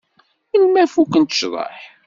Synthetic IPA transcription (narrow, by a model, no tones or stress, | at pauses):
inmæfukənt̪ə̥ʃɾˤə̰ħ